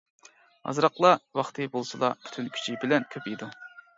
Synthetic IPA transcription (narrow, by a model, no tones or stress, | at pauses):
ɑ̰zɾɑqlˠɑwɑχt̪ʰɨbolˠsɨlˠɑ̰pʰy̥t̪ʰynkʲʰy̥t͡ʃʰibɪlɛnkʲʰøpid̪u